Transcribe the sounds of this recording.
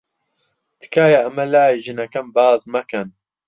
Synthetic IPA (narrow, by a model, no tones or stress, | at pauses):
d̪̥ɨ̥kaːjaɐmɐlaːjʒɨnɐkɐmbaːzmɐkɐn